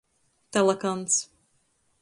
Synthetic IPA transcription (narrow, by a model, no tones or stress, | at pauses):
t̪ɛlˠɛkant̪s